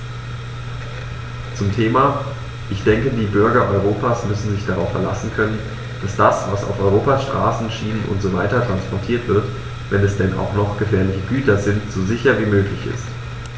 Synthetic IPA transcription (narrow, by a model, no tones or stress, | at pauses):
t͡sʊmtʰeːmaː | ʔɪçd̥ɛŋkədiːbʏɐɡɐʔɔʏʁ̞oːpaːsmʏsn̩zɪçd̥aʁaʊfɛɐlasn̩kʰœnən | d̥asd̥asvasa̰ʊfɔʏʁ̞oːpasʃtʁ̥a̰ːsn̩ʃiːnənʔʊ̰ntz̥ovaɪtɐtʁ̥anspʰɔɐtʰiːɐtv̥ɪɐt | vɛnɛsd̥ɛna̰ʊxnɔχɡ̥əfɛːɐlɪçəɡyːtɐzɪntz̥oːzɪçɐviːmøːklɪçɪ̰st